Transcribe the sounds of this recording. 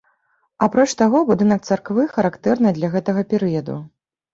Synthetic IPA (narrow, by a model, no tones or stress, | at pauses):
apɾɔt͡ʂt̪aɣɔbud̪ɨnɐkt̪sarkvɨxɐɾakt̪ɛrnɨd̪lʲɐɣɛt̪ɐɣɐpʲɛɾɨjɐd̪ṵ